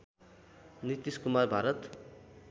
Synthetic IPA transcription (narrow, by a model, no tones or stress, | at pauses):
nit̪iskumarbʱaɾʌt̪